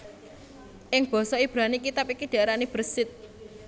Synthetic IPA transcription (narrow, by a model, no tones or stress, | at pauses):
ʔɪŋb̥ɔ̤sɔib̥ɾanikit̪apikiɖ̥a̤ɾanib̥ərsɪt̪̚